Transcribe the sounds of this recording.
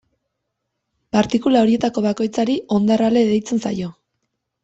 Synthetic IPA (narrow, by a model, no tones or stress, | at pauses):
paɾt̪ikulaoɾie̞t̪ako̞βako̞jt͡saɾio̞nd̪arald̪e̞ðejt͡se̞nsa̰jo̞